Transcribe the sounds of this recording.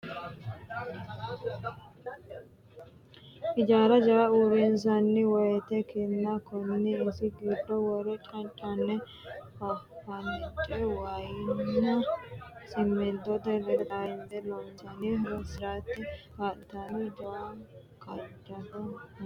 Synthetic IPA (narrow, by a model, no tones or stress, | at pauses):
ʔɪd͡ʒaːɾɐd͡ʒɐwɐuːɾɪnzɐnːɪwɔjɛt̪ɛkɪnːɐkɔnːɪɪsɪɡiːd̪ːɔwɔɾɛt͡ʃʼɐnt͡ʃʼɐnːɛ | hɐfɐnɪt͡ʃʼːɛwajɪnnːɐ | sʼɪmːɪd̪ɔd̪ɛɾɛd̪aɪnd̪ɛlɔnsɐnɪhɾɔsɪɾaːt̪ːɛhaːʔɪt̪ɐnɪd͡ʒɔwa | kɐdːɐt̪ɐ